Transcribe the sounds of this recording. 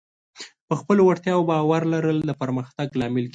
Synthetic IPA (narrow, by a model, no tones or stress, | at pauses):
pəxpəlowaɾt̪jɑwobɑwaɾlaɾəld̪əpəɾməxt̪aɡlɑmɪlk